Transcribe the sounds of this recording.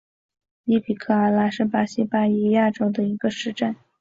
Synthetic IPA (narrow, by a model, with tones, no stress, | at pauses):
li˧˥pʰi˨˩kʰɤ˥˩a˧˥la˧˥ʂɻ̩˥˩pa˥ɕi˥pa˥i˥ja˥˩ʈ͡ʂo˥ʊd̪ə˨i˧˥ɡ̥ə˧ʂɻ̩˥˧ʈ͡ʂa˥˩n